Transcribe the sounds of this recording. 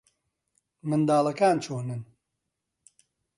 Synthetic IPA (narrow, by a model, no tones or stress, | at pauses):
mɨnd̪aːlˠɐkaːnt͡ʃʰoːnɨn